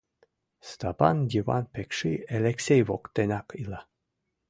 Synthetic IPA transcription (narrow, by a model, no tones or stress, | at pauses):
st̪apɑ̰ndʲiva̰npekʃieleksʲejvokt̪enʲɑkila